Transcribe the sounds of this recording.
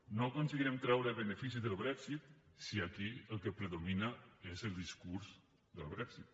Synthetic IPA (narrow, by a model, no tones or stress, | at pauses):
nokonsiɣiɾɛmt̪ɾawɾeβenefis̬iðəlβɾɛksit̪̚siakiəlˠkepɾeðominaezəlˠd̪iskuɾz | ðəlβɾɛksit̪̚